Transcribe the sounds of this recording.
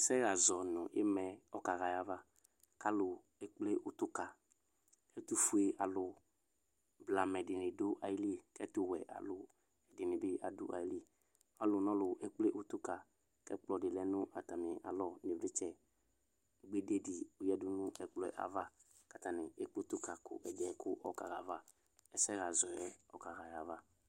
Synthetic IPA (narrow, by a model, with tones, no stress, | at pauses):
sɛ˦ɣa˨zɔ˨nʊ̃˨ɪ̰˦mɛ˨ɔ˦ka˨ɣa˨ja˨va˦ | ka˦lʊ˨ | ɛ˨k͡ple˦ʔʊ˨tʊ˦ka˨ | ɛ˦tʊ˦fu˨e˨ʔa˨lʊ˨ | bla˨mɛ˨dɪ˨nɪ̃˨dʊ˦ʔa˨ji˦li˦˨kɛ˦tʊ˦wɛ̰˨ʔa̰˨lʊ˨ | ɛ˨dɪ˨nɪ̃˨bɪ˦ʔa̰˨dʊ̰˦ʔa̰˨ji˦li˦˨ | a˦lʊ˨nɔ̃˦lʊ˨ɛ˦k͡ple˦ʔʊ˦tʊ˦ka˨ | kɛ̰˦k͡plɔ˨dɪ˨lɛ˦nʊ˦ʔa˨ta˨mɪ̃˨ʔa̰˨lɔ˦nɪ˨vɪ˦t͡ʃɛ˦ | ɡ͡be˦de˦dɪ˨ʊ˨jɛ˦dʊ˦nʊ˦ɛ˨k͡plɔ˦ɛ̰˨ʔa̰˨va˦ | ka˨ta˨nɪ˨ɛ˦k͡pe˦tʊ˦ka˨kʊ̰˨ʔɛ˨dɛ˨˦kʊ˦ʔɔ˨ka̰˨ɣa˨va˦ | ɛ˦sɛ˦ɣa˨zɔ˨ɛ˦ɔ˨ka˨ɣa˨ja˨va˦